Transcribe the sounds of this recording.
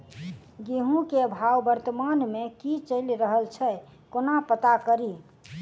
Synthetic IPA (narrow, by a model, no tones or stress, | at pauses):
ɡeɦũkeəbʱawbəɾt̪əmanmekit͡ʃəlɾəɦəlt͡ʃʰɛ | konapət̪akəɾi